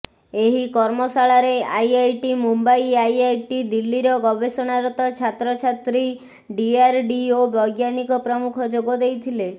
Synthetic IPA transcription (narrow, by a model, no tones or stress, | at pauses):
eɦikɔɾmɔsaɭaɾeajajʈimumbajajajʈid̪ilːiɾɔɡɔbesɔɽ̃aɾɔt̪ɔt͡ʃʰat̪ɾɔt͡ʃʰat̪ɾi | ɖiaɾɖiobɔɡjanikɔpɾɔmukʰɔd͡ʒoɡɔd̪ejt̪ʰile